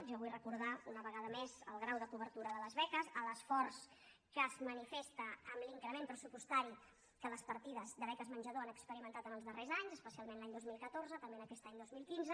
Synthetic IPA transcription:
ʒɔβujrəkuɾðaunəβəɣaðəmezəlˠɣɾawðəkuβ̞əɾt̪uɾəðələzβɛkəzələsfɔrs | kəzmənifest̪əːmliŋkɾəmempɾəsupust̪aɾi | kələspəɾt̪iðəzd̪əβɛkəzmənʲʒəðoanəkspəɾimənt̪at̪ənəlˠzðərezaɲzəspəsialˠmenlaɲd̪ozmilˠkət̪oɾzət̪əmbeənəkɛst̪aɲd̪ozmilˠkinzə

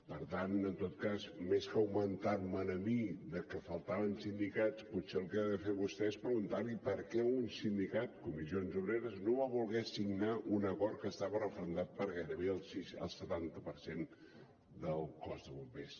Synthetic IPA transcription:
pəɾt̪anənt̪ot̪̚kazmeskəwmənt̪aɾmənəmiðəkəfəlˠt̪aβənsind̪ikat͡sputseəlˠkɛaðəfeβust̪ɛespɾəɣunt̪arlipəɾkɛunsind̪ikat̪̚kumizionzuβɾeɾəznoβaβulˠɣɛsiɡnaʔunəkɔɾt̪̚kəst̪aβərəfɾənd̪at̪̚pəɾɣajɾəβeəlˠsiʃə̰lˠsət̪ant̪əpəɾsen | d̪əlˠkɔzðəβumpes

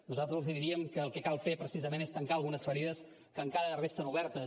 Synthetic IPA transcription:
nuzalˠt̪ɾəziðiɾiəmkəːlˠkɛkalˠfepɾəsizəmenest̪əŋkaəlˠɣunəsfəɾiðəs | kəːŋkaɾərest̪ənuβɛɾt̪ə

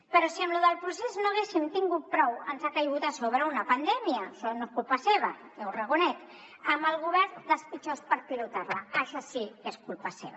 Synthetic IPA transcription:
pəɾɔsiəmluðəlˠpɾuseznoaɣ̞esimt̪iŋɡut̪̚pɾɔwənzakajɣut̪asoβɾəunɐpand̪ɛmiəʃɔnoeskulˠpaseβə | ewrəɣ̞unɛt̪ | əməlɣuβɛɾnd̪əspit͡ʃospəɾpilut̪arlaaʃasieskulpasḛβa

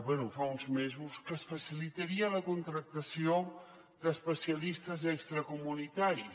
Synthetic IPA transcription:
bwɛnufaunzmezuskəsfəsilit̪əɾiələkunt̪ɾək̚t̪əsio | d̪əspəsiəlist̪əzɛkst̪ɾəkumunit̪aɾi

